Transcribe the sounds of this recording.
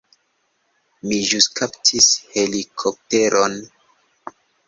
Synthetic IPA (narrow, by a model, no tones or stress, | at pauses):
miʒuskaptʰishe̞likʰop̚te̞ɾʔo̞n